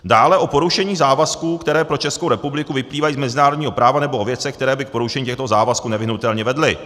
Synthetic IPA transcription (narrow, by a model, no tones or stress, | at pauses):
daːlɛʔo̞po̞ɾuʃɛɲiːzaːvaskuːkt̪ɛɾɛːpɾo̞t͡ʃɛskowɾɛpublɪkuvɪpliːvajiːzmɛzɪnaːɾodɲiːɦo̞pɾaːvanɛbo̞ʔovjɛt͡sɛxk̚t̪ɛɾɛːbɪk̚po̞ɾuʃɛɲːcɛxt̪ozaːvaskunɛvɪɦnut̪ɛlɲɛvɛdlɪ